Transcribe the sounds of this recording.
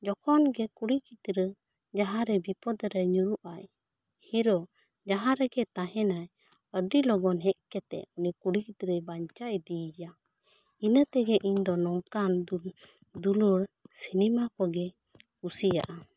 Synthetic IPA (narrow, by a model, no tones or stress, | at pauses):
d͡ʒɔkʰɔnɡɛkuɽikit̪ɾə | d͡ʒaɦãɾɛbipɔd̪ɾɛɲuɾuʔaj | hiɾɔ | d͡ʒaɦãɾɛɡɛt̪aɦɛnaj | əɖilɔɡɔnɦɛʔ̪̚kɛt̪ɛ̰ʔunikuɽikit̪ɾəbaɲt͡ʃajd̪ijja | inət̪ɛɡɛʔiɲd̪ɔnɔŋkan | d̪uluɾsinimakɔɡɛ | kusija̰ʔa